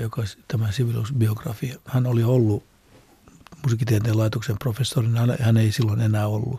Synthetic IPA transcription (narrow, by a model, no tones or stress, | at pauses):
jokɑst̪æmæsiʋilṵsbioɡ̥rɑ̰fiɑhænoliolːu | musikːit̪ieænt̪eːlɑit̪oksemprofesːorinɑl̰hæneisilːonenæːolːṵ